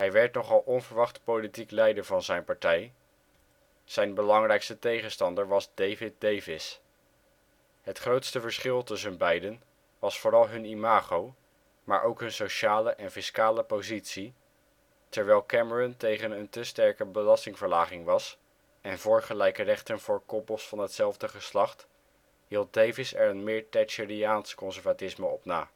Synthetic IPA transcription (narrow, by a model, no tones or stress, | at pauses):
ɦɛjʋɛɹtnɔχɑlˠɔnvəɹʋɑχtpolitiklɛjdəɹvɑnzɛjnpɑɹtɛj | z̥ɛjnbəlɑŋrɛjkstətejχənstɑndəɹʋɑzdejvɪt̚dejvɪs | ɦətχrowtstəvəɹsχɪlˠtɵsəənbɛjdən | ʋɑsfʊːrɑlˠɦɵnimaːχow | ma̰ːɹʔowkɦɵnsowʃaːləʔɛnfɪskaːləpowzitsi | tɛɹʋɛlˠkɛməɹɔntejχənəntəstɛɹkəbəlɑstɪŋvəɹlaːχɪŋʋɑs | ɛnvʊːɹχəlɛjkərɛχtənv̥ʊːɹkɔpəlˠsfɑnɦətsɛlˠvdəχəslɑχt | ɦilˠt̚dejvɪsɛɹənmɪːɹtɛjtʃiɹiaːnskɔnsɛɹvatɪsməɔpna̰ː